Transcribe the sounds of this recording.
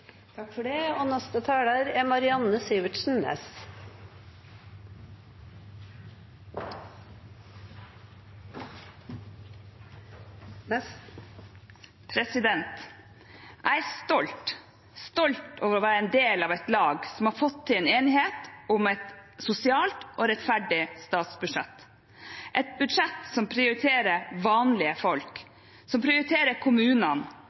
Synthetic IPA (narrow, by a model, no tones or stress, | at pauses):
t̪ʰɑkfɔɖeonɛst̪ət̪ʰæːɽəɾɛmɑɾɪɑnːəsiːʋəʈ̪ʃn̩ɛ̰s | pʰɾɛsɪd̪ɛnt̪ | ʔæɪæst̪ɔlt̪ | st̪ɔlt̪oːʋəɾɔʋæːɾəɛnd̪eːlɑːʋɛt̪lɑːɡsɔmhɑːɾfɔt̪ʰːɪleːneːnɪɦeːt̪ʊmɛt̪sʊsɪɑːlt̪ʔoːɾɛt̪fæɖɪst̪ɑːt̪sbʉd̪ʂɛt̪ | ʔɛt̪̚bʉd̪ʂɛt̪sɔmpʰɾɪʊɾɪt̪ʰeːɾəɾʋɑːnlɪəfɔlk | sɔmpʰɾɪʊɾɪt̪ʰeːɾəkʰʊmʉːnɑn